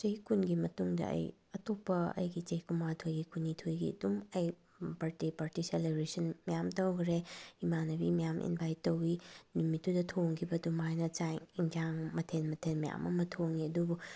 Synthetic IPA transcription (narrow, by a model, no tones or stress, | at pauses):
t͡ʃɐhikunɡimɐtuŋdɐ̰ɐ̰jɐtopːɐɐ̰jɡit͡ʃɐhikumatʰojɡikunitʰojɡḭdumɐj | paɾtipaɾtiselebɾisɐnmijamtɐwɡɾeimanɐbimijamʔḭnbajtːɐwinumitːudɐtʰoŋkʰibɐdumajnɐt͡ʃajŋiŋd͡ʒaŋmɐtʰenmɐtʰenmija̰mɐmɐtʰoŋniɐdubu